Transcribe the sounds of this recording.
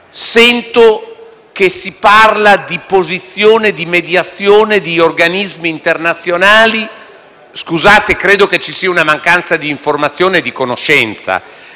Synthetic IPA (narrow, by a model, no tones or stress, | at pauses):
sɛnt̪o | kesiparlad̪ipozit̪sjoːned̪imed̪jat̪sːjoːned̪iorɡanizmiːnt̪ernat̪sːjonaːli | skuzaːt̪ekɾeːd̪oket͡ʃːisiːaunamaŋkant̪sad̪iːɱformat̪sːjoːneːd̪ikonoʃɛnt̪sa̰